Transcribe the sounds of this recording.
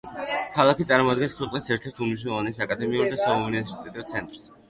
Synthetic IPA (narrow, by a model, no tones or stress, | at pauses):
kʰalˠakʰit̪sʼaɾmɔad̪ɡɛnskʰwɛqʼnisɛɾt̪ʰɛɾt̪ʰumiʃ̬ɛlˠɔvanisakʼad̪ɛmiuɾd̪asaunivɛɾsi̥t̪ʼɛt̪ʼiɔt̪sʰɛnt̪ʼɾs